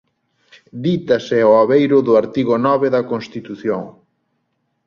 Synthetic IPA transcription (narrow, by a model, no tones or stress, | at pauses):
d̪it̪ɐsɪoaβejɾʊðʊaɾt̪iɣonɔβeðɐkonst̪it̪uθjoŋ